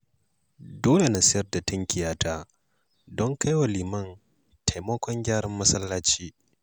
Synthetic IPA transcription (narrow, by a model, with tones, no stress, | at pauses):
doː˦le˨na˨sɪ˦jɐ˨rda˨tɐ˦ŋkʲɪ˨jaː˦taː˦ | dɔ˦ŋka˦jwa˨liː˨mɐ˦˨n | tʰa˨jmɐ˦kʷɔ˦ŋɡʲaː˦ɽɐ˦mːɐ˦sɐ˦lːaː˦t͡ʃiː˦